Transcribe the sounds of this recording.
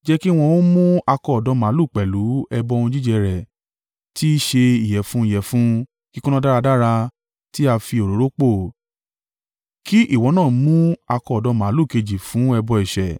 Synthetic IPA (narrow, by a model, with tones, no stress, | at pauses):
d͡ʒɛ˦ki˦˧w̃ɔ̃˧w̃ũ˦mũ˦a˧kɔ˧ɔ˨dɔ˨˦mã˨˦lu˦˨k͡pɛ˨lu˨˦ɛ˧bɔ˧˦˧ũ˧d͡ʒi˦d͡ʒɛ˧ɾɛ˨ | ti˦ʃe˧i˨jɛ˨fũ˨˦i˦˨jɛ˨fũ˦ | ki˦kũ˦nã˦da˦ɾa˧da˦ɾa˧ | ti˦a˧fi˧o˨ɾo˨˦ɾo˦k͡po˦˨ | kʰi˦ʔi˦˨wɔ̃˨˦nãː˦˨˦mũ˦a˧kɔ˧˨dɔ˨˦mã˨˦lu˦˨ke˧d͡ʒi˨fũ˨˦ɛ˧bɔ˧ɛ˨ʃɛ˨